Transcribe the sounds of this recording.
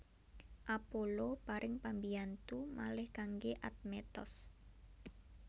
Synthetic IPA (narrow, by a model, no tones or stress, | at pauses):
ʔapolopaɾʔɪŋpambiant̪uma̰lɪhkaŋɡeʔa̰t̪̚mɛt̪ɔs